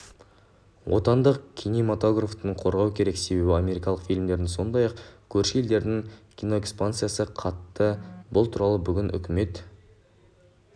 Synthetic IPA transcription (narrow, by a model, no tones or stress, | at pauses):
wʔo̞t̪ɑnd̪əqkʲʰinemat̪o̞ɡraft̪əɴqʰo̞ɾʁɑwkʲʰe̞ɾe̞kse̞be̞bɪamʲe̞ɾikɑlˠəqfijlʲmd̪e̞ɾd̪ɪso̞nd̪ɑjɑqkʲʰɵɾʃɪe̞ld̪e̞ɾd̪ɪŋkʲʰino̞ekspant̪sɨjasəqʰɑt̪ːəbʊlˠt̪ʰuɾɑlˠəbʏɡʲɪnʔʏ̰kʲɪme̞t̪